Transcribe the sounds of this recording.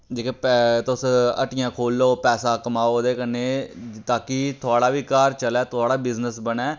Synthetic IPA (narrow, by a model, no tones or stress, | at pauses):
d͡ʒeːkeːpt̪ʊsə̰ʈɪjãːkʰoːlːoːpɛːsaːkəmaːod̪eːkəneːt̪aːkɪt̪ʰʊaːɽaːʋiːkaːɾt͡ʃəlɛːt̪ʰʊaːɽaːbɪznəsbənɛː